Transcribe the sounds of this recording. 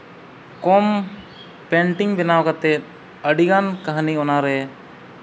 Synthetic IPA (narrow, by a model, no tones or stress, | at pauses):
kɔm | pɛɳʈiŋbɛnawkat̪ɛt̪̚ | əɖiɡankaɦniɔnaɾɛ